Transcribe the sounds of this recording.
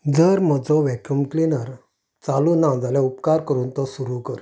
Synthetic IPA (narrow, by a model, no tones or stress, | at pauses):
d͡zəɾm̤əd͡zɔʋɛkəmklinəɾ | t͡saluːnãd͡zaljãupkaɾkəɾuːnt̪ɔsuɾukəɾ